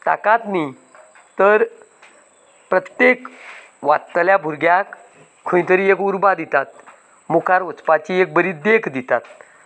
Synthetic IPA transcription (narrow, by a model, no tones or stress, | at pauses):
t̪a̰kat̪ni | t̪əɾ | pɾət̪jek | ʋat̪ːljabʱuɾɡjakʰː | ũj̃ĩt̪əɾiekuɾbad̪it̪at̪̚ | mukʰaɾət͡spat͡ɕiek̚bəɾiːd̪ekʰd̪it̪at̪̚